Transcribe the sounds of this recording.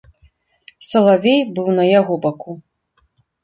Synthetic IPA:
sɐlˠavʲejbɨwnɐjaɣɔbaku

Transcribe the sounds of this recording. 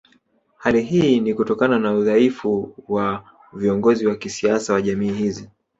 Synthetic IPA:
haliɦiːnikutɔkananauðaifuwa | viɔŋɡɔziwakisiasawaʄamiːhizi

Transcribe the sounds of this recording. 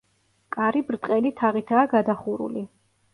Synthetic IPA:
kʼaɾibɾt̪ʼqʼɛlit̪ʰaʁit̪ʰaːɡad̪aχuɾṵli

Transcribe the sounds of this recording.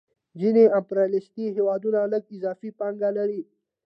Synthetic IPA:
zineampɾalɪst̪iɦewɑd̪unaləɡɪzɑːfipaŋɡalaɾi

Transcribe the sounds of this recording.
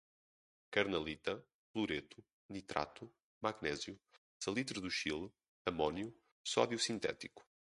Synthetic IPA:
kɐɾnɐlˠit̪ɐ | flˠuɾet̪u | nit̪ɾa̰t̪u | maɣnɛzju | sɐlˠit̪ɾuðuʃilˠ | ɐmɔnju | sɔðjusĩnt̪ɛ̰t̪iku̥

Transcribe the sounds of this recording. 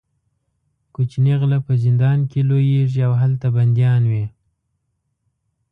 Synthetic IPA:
kut͡ʃneɣlapəzɪnd̪ɑnkelojeʐiawɦalt̪aband̪jɑnwe

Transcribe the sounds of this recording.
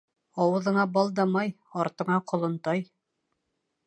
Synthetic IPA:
ɑwɤ̆ðɤ̆ɴɑbɒlˠd̪ɑmɑj | ɒɾt̪ɤ̆ɴɑqŏlˠɤ̆nt̪ɑj

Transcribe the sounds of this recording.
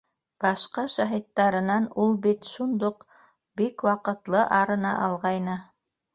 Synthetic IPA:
b̥ɑʃqɑʃæɦit̪ːɑɾɤ̆nɑnulˠbit̪ʃund̪oq | bikwɑqɤ̆t̪lˠɤʔɑɾɤ̆nɑ̰ʔɑlˠʁɑjnɤ

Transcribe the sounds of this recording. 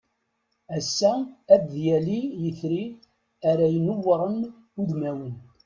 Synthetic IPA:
æsːæːbðjælijəθɾi | æɾæjənʊwɾˤən | uðmæwən

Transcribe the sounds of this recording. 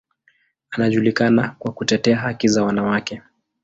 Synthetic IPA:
anaʄulikanakwakutɛtɛaɦakizawanawakɛ

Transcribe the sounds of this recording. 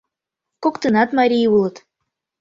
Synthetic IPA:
kokt̪ɨnɑt̪mɑɾʲijulˠɤ̆t̪

